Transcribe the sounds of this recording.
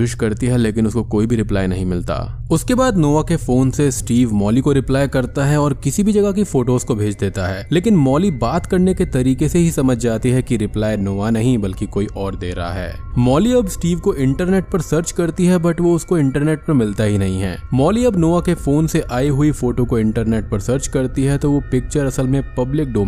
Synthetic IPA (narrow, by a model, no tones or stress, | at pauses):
ɪʃkɐɾt̪iɦɛleːkɪnʊskokoːibʱiɾɪpla̰ːjnɐɦĩmɪlt̪a̰ː | ʊskebaːd̪noːʋakefoːnsesʈiːʋmɔːlikoɾɪplaːjkɐɾt̪aɦɛɔːɾkɪsibʱid͡ʒɐɡakifoːʈoːzkobʱeːd͡ʒd̪eːt̪aɦɛːleːkɪnmɔːlibaːt̪kɐɾneket̪ɐɾiːkeseɦisɐməd͡ʒʱd͡ʒaːt̪iɦɛkiɾɪplaːjnoːʋanɐɦĩbɐlkikoːiʔɔːɾd̪ḛːɾɐ̰ɦa̰ɦɛ̰ː | mɔːliɐbsʈiːʋkoʔɪ̃ɳʈəɾneːʈ̚pɐɾsəɾt͡ʃkɐɾt̪iɦɛbɐʈʋoʊskoɪ̃ɳʈəɾneːʈ̚pɐɾmɪlt̪aɦinɐɦĩɦɛ̰ːmɔːliɐbnoːʋakefoːnseʔaːiɦʊifoːʈokoɪ̃ɳʈəɾneːʈ̚pɐɾsəɾt͡ʃkɐɾt̪iɦɛt̪oʋopɪk̚t͡ʃəɾɐsəlmẽpɐblɪk̚ɖoː